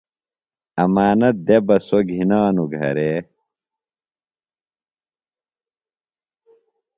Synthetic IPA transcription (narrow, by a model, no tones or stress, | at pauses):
ɐmaːnɐt̪̚d̪ebɐsoɡʱinaːnuɡʱɐ̰ɾeː